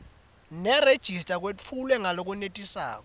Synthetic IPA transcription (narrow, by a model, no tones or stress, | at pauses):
nɛred̥ʒ̥ʱistʼak̬weulwɛŋalok̬unetʼisa̰ːk̬ɔ